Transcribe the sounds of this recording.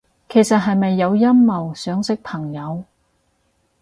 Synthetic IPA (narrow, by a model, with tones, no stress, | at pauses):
kʰe˨˩jsɐ˨t̚ɦɐ˨jmɐ˨jːɐ˨˧wjɐ˥mːɐ˨wsœː˨˥ŋsɪ˥k̚pʰɐ˨˩ŋjɐ˨˧w